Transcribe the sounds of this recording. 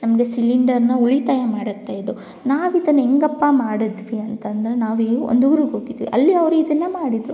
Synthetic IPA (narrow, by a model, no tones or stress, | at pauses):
nɐmɐɡesiliɳɖɐɾnɐuɭit̪aːjɐmaːɽɐt̪ːaːjd̪u | naːʋid̪ɐnːeŋɡɐpːɐmaːɽid̪ʋiɐnt̪ɐnd̪ɐɾenaːʋio̰nd̪uɡɾuɡoːɡid̪ʋḭʔɐlːiɐʋɾuid̪ɐnːɐmaːɽid̪ɾu